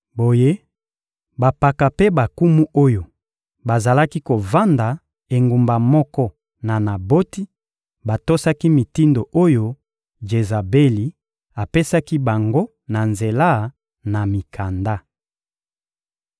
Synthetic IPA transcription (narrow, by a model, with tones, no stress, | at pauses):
bo˨je˦ | ba˨pa˨ka˨pe˦ba˨ku˦mu˦ʔo˦jo˨ | ba˨za˨la˦ki˦ko˨va˦nda˨ | e˨ŋɡu˨mba˨mɔ˦kɔ˦ | na˨na˨bo˦ti˦ | ba˨to˦sa˦ki˦mi˨ti˦ndo˨ʔo˦jo˦ | d͡ʒe˨za˨be˦li˨ | a˨pe˦sa˦ki˦ba˨ŋɡo˦ | na˨nze˨la˦ | na˨mi˨kʰa˨nda˦